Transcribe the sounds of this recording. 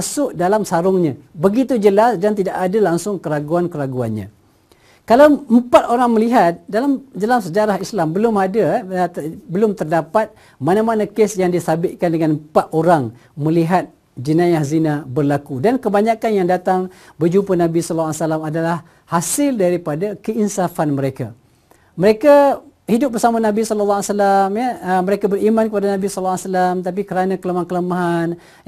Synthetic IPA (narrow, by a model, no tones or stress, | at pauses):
sʊʔ̚dalamsaɾʊŋɲãbəɡit̪ud͡ʒəlasdant̪idaʔadalaŋsʊŋkəɾaɡuankəɾaɡuanɲã̰ | kalawəmpat̪oɾaŋməliɦat̪̚dalamd͡ʒalamsəd͡ʒaɾaɦislambəlʊmadat̪bəlʊmt̪ərdapat̪̚ | manamanakɪsjaŋdisabɪʔkandəŋanəpat̪̚oɾaŋmə̃liɦat̪̚ | d͡ʒənajahzinabərlakudankəbaɲakanjaŋdat̪aŋbəd͡ʒumpənabisɔllsalamadalah | hasɪldaɾipadakəinsafanməɾeka | məɾekahidʊp̚bərsamanabisɔləlːɔsalamjəəməɾekabərimankəpadanabisɔllːsalamt̪ap̬ikəɾanãkələmakələmaɦan